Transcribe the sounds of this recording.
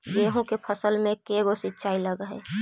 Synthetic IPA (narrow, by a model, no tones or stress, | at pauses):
ɡeːɦõkepʰəsəlmẽkeɡosɪtːʃʰaːiləɡɦḛː